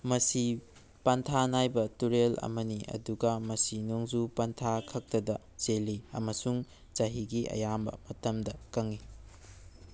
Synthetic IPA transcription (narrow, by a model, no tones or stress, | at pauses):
mɐsi | pɐntʰanajbɐtuɾelɐ̰mɐniʔɐ̰duɡɐmɐsinoŋzupɐntʰakʰɐk̚tɐdɐ | zelːiɐ̰mɐsuŋ | t͡ʃɐɦiɡiʔɐ̰jambɐ̰mɐtɐmdɐkɐŋi